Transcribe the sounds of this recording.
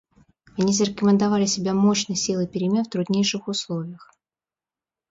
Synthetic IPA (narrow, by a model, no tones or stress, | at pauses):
ɐnʲizəɾʲɪkəmʲɪnd̪avalʲɪsʲɪbʲamoɕnɨjsʲilˠɨpʲɪɾʲɪmʲenft̪ɾʊd̪nʲejʂɨxʊslˠovʲɪjəx